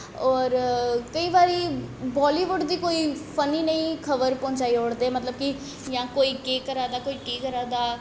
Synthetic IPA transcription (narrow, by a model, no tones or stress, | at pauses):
ɔːɾkəĩːbaːɾiːbɔːliːʋʊɖd̪iːkoːiːpʰəniːnəĩkʰəʋəɾpɔ̃ːɲt͡ʃaːioːɽd̪eːɛːmət̪ləb̚kɪ | jãːkoːiːkeːkəɾaːd̪aːkoːiːʈiːkəɾaːd̪aː